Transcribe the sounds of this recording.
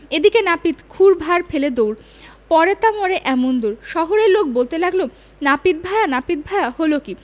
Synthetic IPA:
ed̪ikenapit̪kʰuɾbʱaɾfeled̪owɾ | pɔɾet̪amoɾeʔɛmond̪uɾʃɔɦoɾeɾlok̚bolt̪elaɡlo | napit̪̚bʱajanapit̪̚bʱajaholoki

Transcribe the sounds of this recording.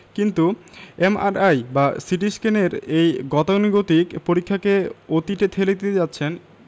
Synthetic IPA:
kint̪uema̰ɾajbasiʈ̬iskeneɾejɡɔt̪oniɡot̪ikpoɾikʰːakeot̪iʈet̪ʰelet̪ed͡ʑatːɕʰen

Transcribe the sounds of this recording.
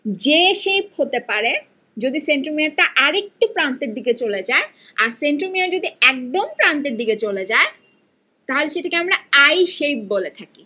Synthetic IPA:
d͡ʑeʃejphot̪epaɾe | d͡ʑod̪iseɳʈɾoɾmiaɾʈ̪aʔaɾek̚ʈupɾant̪eɾd̪iket͡ɕoled͡ʑae | aɾseɳʈɾomeaɾd͡ʑod̪iɛk̚d̪ompɾant̪eɾd̪iket͡ɕoled͡ʑae | t̪aɦoleʃeʈakeamɾaajʃejp̚bolet̪ʰaki

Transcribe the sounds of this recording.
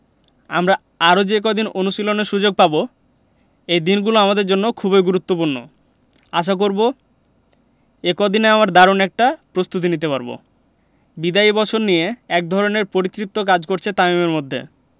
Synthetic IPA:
a̰mɾa | aɾod͡ʑeek̬od̪inonuʃiloneɾʃud͡ʑoɡ̚pabo | ejd̪inɡuloamad̪eɾd͡ʑonːokʰubeɡuɾut̪ːopuɾno̰ | aʃ̬ak̬oɾbo | ekod̪ineamaɾd̪aɾonɛk̚ʈapɾost̪ut̪̬init̪epaɾbo̰ | bid̪aibɔt͡ɕʰoɾnijeɛk̚d̪ʱɔɾoneɾpoɾit̪ːɾip̚t̪ok̬ad͡ʑkoɾt͡ɕʰet̪amimeɾmod̪ʱːḛ

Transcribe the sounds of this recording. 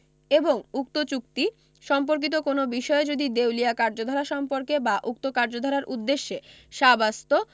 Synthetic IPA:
eboŋuk̚t̪ot͡ɕuk̚t̪i | ʃɔmp̬oɾk̬it̪̬okonobiʃɔed͡ʑod̪id̪ewlijakaɾd͡ʑod̪ʱɔɾaʃɔmpoɾkebaʔuk̚t̪okaɾd͡ʑod̪ʱɔɾaɾʔud̪ːeʃːe | ʃabast̪o

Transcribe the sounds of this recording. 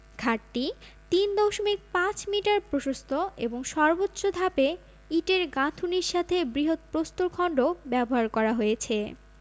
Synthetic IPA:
ɡʱaʈʈi | t̪ind̪ɔʃomik̚pãt͡ɕmiʈaɾpɾoʃost̪ʰoeboŋʃɔɾbotːɕod̪ʱape | iʈeɾɡãt̪ʰuniɾʃat̪ʰebɾiɦot̪̚pɾost̪oɾkʰɔɳɖobɛboɦaɾkɔɾaɦojet͡ɕʰe

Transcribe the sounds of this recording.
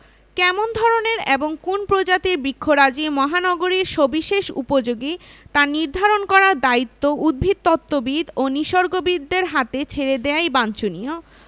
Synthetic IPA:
kɛmond̪ʱɔɾoneɾeboŋkunpɾod͡ʑat̪iɾbikʰːoɾad͡ʑimɔɦanɔɡoɾiɾʃobiʃeʃṵpod͡ʑoɡit̪aniɾd̪ʱaɾonkɔɾaɾd̪ait̪ːoʔud̪̚bʱid̪̚t̪ɔt̪ːobid̪oniʃoɾɡobid̪ːeɾɦat̪et͡ɕʰeɾed̪eajbant͡ɕonijo

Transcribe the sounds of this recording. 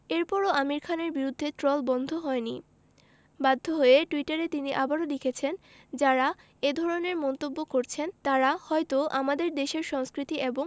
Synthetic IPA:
eɾpɔɾoamiɾkʰaneɾbiɾud̪ʱːet̪ɾɔlbɔnd̪ʱoɦɔeni | bad̪ʱːoɦojeʈuiʈaɾet̪iniʔabaɾolikʰet͡ɕʰen | d͡ʑaɾa | ed̪ʱɔɾoneɾmɔnt̪obːokoɾt͡ɕʰent̪aɾahɔjt̪oʔamad̪eɾd̪eʃeɾʃɔŋskɾit̪iʔeboŋ

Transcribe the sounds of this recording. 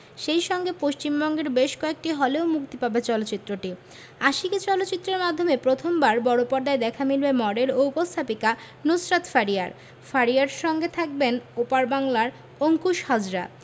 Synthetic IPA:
ʃejʃɔŋɡepoʃt͡ɕimbɔŋɡeɾbeʃkɔek̚ʈiɦɔleomukt̪ipabet͡ɕɔlotːt͡ɕit̪ːɾoʈi | aʃiket͡ɕɔlot̪ːt͡ɕit̪ːɾeɾmad̪ʱːomepɾot̪ʰombaɾbɔɽopɔɾd̪aed̪ɛkʰamilbemɔɖeloupost̪ʰapika | nusɾat̪faɾia̰ɾ | faɾiaɾʃɔŋɡet̪ʰak̚benupaɾbaŋlaɾ | oŋkuʃhad͡ʑɾa̰

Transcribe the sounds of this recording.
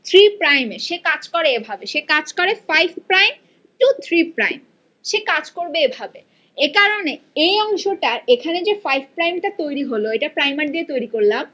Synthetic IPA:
t̪ʰɾipɾajmeʃekad͡ʑkoɾeebʱabeʃekad͡ʑkoɾefajbʱpɾajm | ʈut̪ʰɾipɾajm | ʃekad͡ʑkoɾbeebʱabe | ekaɾone | ejɔŋʃoʈaɾekʰaned͡ʑefajbʱpɾajmʈat̪ojɾiɦoloeʈapɾajmaɾd̪iet̪ojɾikoɾlam

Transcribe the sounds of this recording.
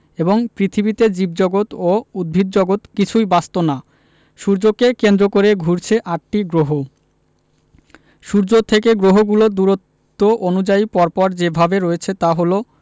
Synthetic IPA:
eboŋpɾit̪ʰibit̪ed͡ʑib̚d͡ʑɔɡot̪oud̪̚bʱid̪̚d͡ʑɔɡot̪kit͡ɕʰujbast̪ona | ʃuɾd͡ʑokekend̪ɾokoɾeɡʱuɾt͡ɕʰeʔaʈ̚ʈiɡɾoɦo | ʃuɾd͡ʑot̪ʰekeɡɾoɦoɡulod̪uɾot̪ːoʔonud͡ʑaipɔɾpɔɾd͡ʑebʱabeɾoet͡ɕʰet̪aɦolo

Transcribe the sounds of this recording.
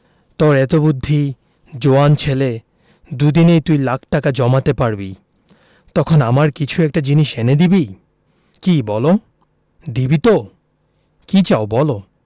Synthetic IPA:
t̪ɔɾɛt̪obud̪ʱːi | d͡ʑoant͡ɕʰele | d̪ud̪inejt̪ujlakʰʈakad͡ʑɔmat̪epaɾbi | t̪ɔkʰonamaɾkit͡ɕʰuɛk̚ʈad͡ʑiniʃened̪ibi | kibɔlo | d̪ibit̪o | kit͡ɕaobɔlo

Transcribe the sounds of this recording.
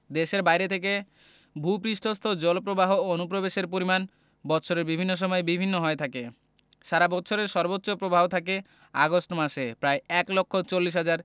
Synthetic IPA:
d̪eʃeɾbajɾet̪ʰek̬e | bʱupɾiʃʈʰost̪ʰod͡ʑɔlpɾobaɦoonupɾobeʃeɾp̬oɾiman | bɔtːʃʰoɾeɾbibʱinːoʃ̬ɔmɔebibʱinːoɦɔet̪ʰake | ʃaɾabɔtːɕʰoɾeɾʃɔɾbotːɕopɾobʱaɦot̪ʰake | a̰ɡosʈmaʃepɾaeɛklokʰːot͡ɕolːiʃ̬ɦad͡ʑaɾ

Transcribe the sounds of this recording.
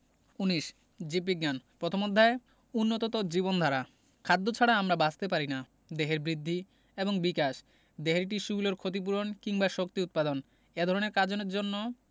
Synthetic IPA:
uniʃ | d͡ʑip̬ːiɡːanpɾot̪ʰomod̪ʱːae | unːot̪ot̪od͡ʑibond̪ʱaɾa | kʰad̪ːot͡ɕʰaɽaamɾabad͡ʑt̪ep̬aɾina | d̪eɦeɾbɾid̪ʱːi | eboŋbikaʃ | d̪eɦeɾʈ̬iʃubuloɾkʰot̪̬ip̬uɾonkiŋbaʃok̚t̪iut̪̚pad̪on | ed̪ʱɔɾoneɾkad͡ʑoneɾd͡ʑonːo

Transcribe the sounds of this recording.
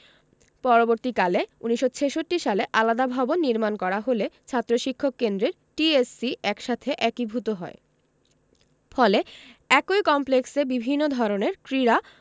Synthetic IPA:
pɔɾoboɾt̪ikaleuniʃːot͡ɕʰeʃoʈːiʃaleʔalad̪abʱabonːiɾmankɔɾaɦolet͡ɕʰat̪ːɾoʃikʰːokːend̪ɾeɾ | ʈiesiʔɛkʃat̪ʰeʔɛkibʱut̪oɦɔ̰e | fɔleɛkojkɔmpleksebibʱinːod̪ʱɔɾoneɾkɾiɾa

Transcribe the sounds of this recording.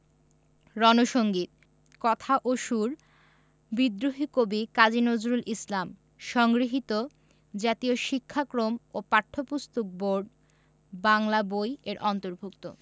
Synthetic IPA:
ɾɔnoʃoŋɡit̪̚ | kɔt̪ʰaʔoʃuɾ | bid̪ɾoɦikobikad͡ʑinod͡ʑɾulʔislam | ʃɔŋɡɾiɦit̪o | d͡ʑat̪ioʃikʰːakɾomopaʈʰːopust̪ok̚boɾɖ | baŋlabojeɾʔɔnt̪oɾbʱukt̪o̰

